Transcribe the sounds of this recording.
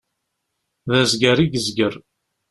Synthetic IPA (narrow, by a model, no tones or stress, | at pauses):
ðæzɡæɾiɡəzɡəɾ